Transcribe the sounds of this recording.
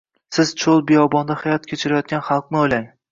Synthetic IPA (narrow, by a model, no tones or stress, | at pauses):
sɪz̥t͡ʃʰolˠbɪjɒbɒnd̪ahajɒt̪kʲʰet͡ʃʰɪɾajɒt̪̚ɡʲanχɑlˠq̚nɪojlaŋ